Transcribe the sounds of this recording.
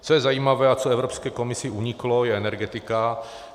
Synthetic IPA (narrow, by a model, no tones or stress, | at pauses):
t͡sojɛzajiːmavɛːat͡soɛvɾopskɛːko̞mɪsɪuɲɪklo̞jɛɛnɛɾɡɛt̪ɪka